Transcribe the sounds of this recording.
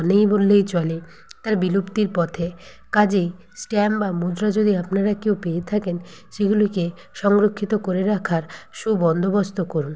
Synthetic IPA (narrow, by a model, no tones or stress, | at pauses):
nejbolːejt͡ɕɔle | t̪aɾbilupt̪iɾpɔt̪ʰe | kad͡ʑej | sʈɛmbamud͡ʑɾad͡ʑod̪iapnaɾakewpeet̪ʰaken | ʃeɡuloke | ʃɔŋɾokʰːit̪okoɾeɾakʰaɾʃubɔnd̪ʱobost̪okoɾun